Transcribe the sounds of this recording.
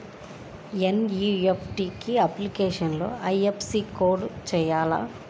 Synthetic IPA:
enjuːepʰʈiːkiɐplikeːʂɐnlo̰ːɐjepʰsiːkoːɖt͡ʃɛːjaːla̰ː

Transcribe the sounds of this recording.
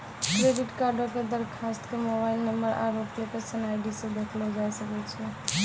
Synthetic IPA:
kɾeɖiʈkaɾɖoked̪əɾkʰast̪kemobailnəmbəɾʔa̰ɾopjəkesənajɖisẽd̪ekʰlɔd͡ʒajsəkɛt͡ʃʰɛ

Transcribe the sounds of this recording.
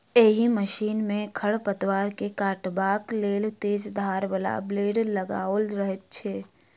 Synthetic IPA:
eːɦiməʃiːnmẽkʰəɽpət̪waːɾkekaːʈbaːkleːlt̪eːd͡ʒd̪ʱaːɾbəla̰bleːɖləɡa̰ːolɾəɦet̪̚t͡ʃʰeː

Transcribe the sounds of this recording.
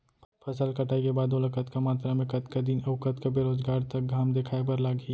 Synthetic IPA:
pʰɐsəlkɐʈʰaːikebaːd̪olɐkət̪kamaːt̪ɾamẽkɐt̪kad̪inɐʋkət̪kabeːɾoːzɡaːɾt̪ɐk̚ɡʱaːmd̪eːkʰaːepɐɾlaːɡə

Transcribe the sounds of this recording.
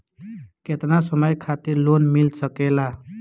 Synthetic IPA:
ket̪nasəməjkʰat̪iɾlonmilsəkela

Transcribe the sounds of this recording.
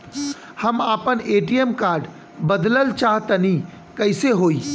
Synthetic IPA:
həmaːpəneːʈiəmkaːɾɖ | bəd̪ləlt͡ʃaːɦt̪əni | kəɪseɦoːi

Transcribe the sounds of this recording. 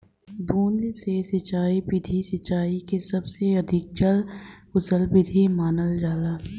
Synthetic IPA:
d̪uːnd̪sesɐt͡ʃːaːipɪd̪ʱisɪt͡ʃːaːikesɐbseɐd̪ʱɪk̚t͡ʃəl | ʊsəlpɪd̪ʱimaːnəld͡ʒaːd̪aː

